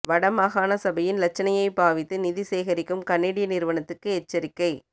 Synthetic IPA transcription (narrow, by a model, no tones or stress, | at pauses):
ʋɐɽɐmaːɣaːnɐsɐbɐjɪnlɐt͡ʃːɐnɐjɐɪpaːʋɪt̪ːɯnɪðɪseːɣɐɾɪkːɯmkɐnːeːɽɪjɐnɪɾɯʋɐɳɐt̪ːɯkːɯɛt͡ʃːɐɾɪkːɐɪ